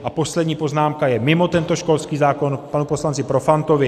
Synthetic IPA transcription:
ʔapo̞slɛd̪ɲiːpo̞znaːmkajɛmɪmo̞t̪ɛnt̪o̞ʃko̞lskiːzaːko̞npanupo̞slant͡sɪpɾo̞fant̪ovɪ

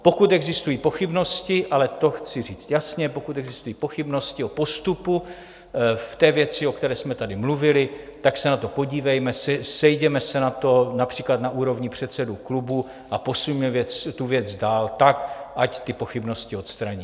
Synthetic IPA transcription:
po̞kut̪ɛɡzɪst̪ujiːpo̞xɪbno̞scɪʔalɛt̪o̞xt͡sɪriːt͡st̪jasɲɛpokut̪ɛɡzɪst̪ujiːpo̞xɪbno̞scɪopo̞st̪upu | ft̪ɛːvjɛt͡sɪokt̪ɛɾɛːsmɛt̪adɪmluvɪlɪt̪aksɛnat̪o̞po̞ɟiːvɛjmɛsɛsɛjɟɛmɛsɛnat̪o̞napr̥iːklat̪naʔuːɾo̞vɲɪpr̝̥ɛt̪sɛduklubu | ʔapo̞sujmɛvjɛt͡st̪uvjɛd͡zdaːlt̪akʔact̪ɪpo̞xɪbno̞scɪo̞t̪st̪ɾaɲiː

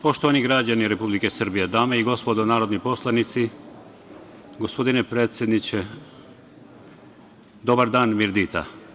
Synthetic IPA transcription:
po̞ʃt̪oʋaniɡɾad͡ʑaniɾe̞publikesr̩bijed̪aːmeiɡo̞spo̞d̪onaːɾo̞d̪nipo̞slˠanit̪si | ɡospo̞d̪inepɾeːt̪sje̞d̪nit͡ɕe | d̪o̞baɾd̪aːnmiɾd̪it̪ʰa̰

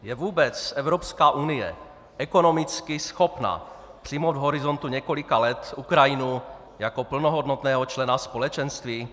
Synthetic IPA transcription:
jɛvuːbɛt͡sːʔɛvɾopskaːʔunɪjɛ̰ | ʔɛkonomɪt͡skɪsxopna̰pr̥imowd̪vɦoɾɪzont̪uɲɛkolɪkalɛt̪ʔukɾajɪnu | jakopl̩noɦod̪not̪nɛːɦɔt͡ʃlɛnaspolɛt͡ʃɛnst̪viː

